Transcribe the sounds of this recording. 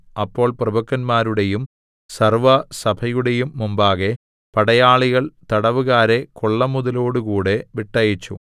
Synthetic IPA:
ɐpːo̞ːɭprɐbɐkːɐnmaːɾuɽe̞jum | sɐrʋɐsɐbʰʱɐjuɽe̞jumːumbaːɣe̞ | pɐɽɐjaːɭiɣɐɭt̪ɐɽɐʋuɣaːɾe̞koɭːɐmuðɐlo̞ːɽukuːɽe̞ʋiʈːɐjit͡ɕːṵ

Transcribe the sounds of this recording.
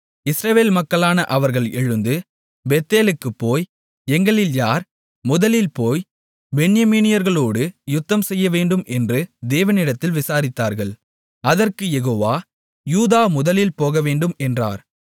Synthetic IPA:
ɪsɾɐʋeːlmɐkːɐɭaːnɐʔɐʋɐɾɣɐɭɛɻɯnd̪ɯ | bɛt̪ːeːlɯkːɯpːoːj | ɛŋɡɐɭɪljaːɾ | mʊðɐlɪlpoːj | bɛɳːɪjɐmiːnɪjɐɾɣɐɭoːɽɯjʊt̪ːɐmsɛjːɐʋeːɳɖɯmʔɛndrɯd̪eːʋɐnɪɽɐt̪ːɪlʋɪsaːɾɪt̪ːaːɾɣɐɭ | ɐðɐrkɯjɛɣoːʋaː | juːðaːmʊðɐlɪlpoːɣɐʋeːɳɖɯmɛndra̰ːɾ

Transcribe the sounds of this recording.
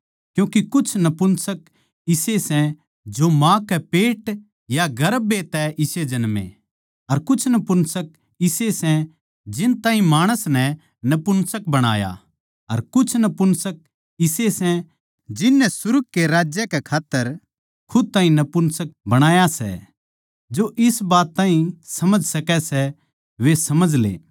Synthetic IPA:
kjũːkikʊt͡ʃʰnɐpʊnsək̚ | ɪsesɛ̃ | d͡ʒomãːkɛpeːʈ | jaɡɐɾbet̪ɛʔɪsed͡ʒɐnmḛ̃ | ɐɾkʊt͡ʃʰnɐpʊnsək̚ | ɪsesɛ̃ | d͡ʒɪnt̪ãːɦĩmaːɽ̃əsnɛ | nɐpʊnsəkbɐɽ̃a̰ːja̰ | ɐɾkʊt͡ʃʰnɐpʊnsək̚ | ɪsesɛ̃ | d͡ʒɪnːɛsʊɾɡ̚keɾaːd͡ʒjɛkɛkʰaːt̪ːəɾ | kʰʊd̪̚t̪aːɦĩnɐpʊnsək̚bɐɽ̃aːjasɛ̰ | d͡ʒoʔɪsbaːt̪ːãːɦĩsɐməd͡ʒʱsɐkɛsɛ | ʋesɐməd͡ʒʱlḛː

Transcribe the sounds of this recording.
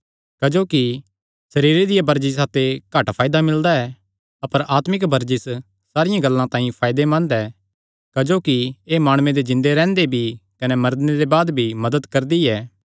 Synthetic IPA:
kɐd͡ʒoːki | sɐɾiːɾed̪ɪjabɐɾd͡ʒis̬aːt̪ekaʈpʰaːjɪd̪amɪld̪aɛ | ɐpəɾʔaːt̪mɪkbɐɾd͡ʒɪs | saːɾɪjãɡɐlːãt̪ãːĩpʰaːjd̪emɐ̃nd̪ɛ | kɐd͡ʒoːkieːmaːɽ̃ũːẽd̪ed͡ʒɪ̃nd̪eɾɛ̃ːnd̪ebʱikɐnɛmɐɾd̪neɾebaːd̪bʱimɐd̪əd̪kɐɾd̪iɛː

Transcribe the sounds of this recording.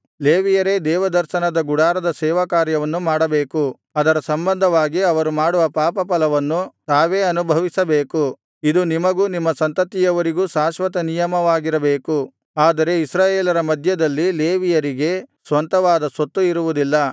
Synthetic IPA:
leːʋijɐɾe̞d̪ɛːʋɐd̪ɐɾʃɐnɐd̪ɐɡuɽaːɾɐd̪ɐsɛːʋɐkaːɾjɐʋɐnːumaːɽɐbeːku | ɐd̪ɐɾɐsɐmbɐnd̪ʱɐʋaːɡiɐʋɐɾumaːɽuʋɐpaːpɐpɐlɐʋɐnːut̪aːʋe̞ːɐnubʱɐʋisɐbeːku | id̪unimɐɡuːnimːɐsɐnt̪ɐt̪ːijɐʋɐɾiɡuːsaːʃʋɐt̪ɐnijɐmɐʋaːɡiɾɐbeːku | aːd̪ɐɾe̞isɾaːjeːlɐɾɐmɐd̪ʱjɐd̪ɐlːileːʋijɐɾiɡe̞sʋɐnt̪ɐʋaːd̪ɐsot̪ːuiɾuʋud̪ilːɐ

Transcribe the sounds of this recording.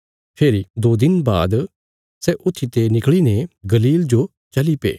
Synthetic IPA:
pʰeːɾid̪oːd̪ɪnba̰ːd̪ | sɛʔʊt̪ʰːit̪enɪkɭineɡɐliːld͡ʒo | t͡ʃɐlipḛː

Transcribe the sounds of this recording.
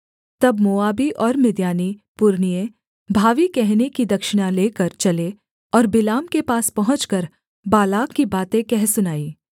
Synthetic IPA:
t̪ɐbmoːaːbiʔɔːɾmɪd̪jaːnipʊɾnijẽ | bʱaːʋikɛɦnekid̪ɐkʃɪɽ̃ãleːkɐɾt͡ʃɐle | ɔːɾbɪlaːmkepaːspɐɦʊ̃t͡ʃkɐɾ | baːlaːkːibaːt̪ẽkɛɦsʊnaːiː

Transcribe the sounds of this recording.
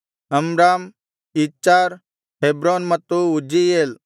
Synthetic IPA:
əmɾaːm | it͡ʃːaːɾ | ɦebɾoːnmɐt̪uʊd͡ʒijeːl

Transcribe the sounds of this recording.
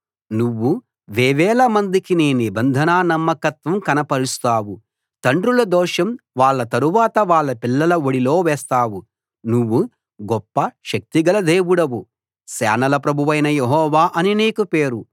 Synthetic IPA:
nuʋːu | ʋeːʋɛːlɐmɐnd̪ikineːnibɐnd̪ʱɐnaːnɐmːɐkɐt̪ʋɐmkɐnɐpɐɾust̪aːwu | t̪ɐɳɖɾulɐd̪ɔːʂɐmʋaːɭːɐt̪ɐɾuʋaːt̪ɐʋaːɭːɐpilːɐlɐoɽilo̞ːʋɛːst̪aːwu | nuʋːu | ɡɔpːɐʃɐk̚t̪iɡɐlɐd̪eːʋuɽɐʋu | sɛ̰ːnɐlɐpɾɐbʱuʋɐjnɐjeɦɔːʋaːʔɐnineːkupeːɾu

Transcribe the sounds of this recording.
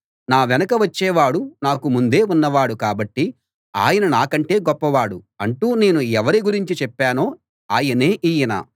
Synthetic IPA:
naːʋɛnɐkɐʋɐt͡ʃːɛːʋaːɽunaːkumund̪e̞ːunːɐʋaːɽukaːbɐʈːi | a̰ːjɐnɐnaːkɐɳʈe̞ːɡɔpːɐʋaːɽu | ɐɳʈuːne̞ːnuɛʋɐɾiɡuɾiɲt͡ʃit͡ʃɛpːaːno̞ː | aːjɐne̞ːʔiːjɐna̰ː

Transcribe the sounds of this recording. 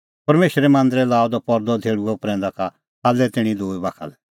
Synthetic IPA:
pɐɾmeːʃɾɛmãːnd̪əɾɛlaːɔd̪ɔpɔɾd̪ɔd̪ʱeːɽuɛʊpɾɛ̃ːnd̪aka | aːlːɛt̪ɪɽ̃ĩd̪oːibaːkʰa̰lɛ

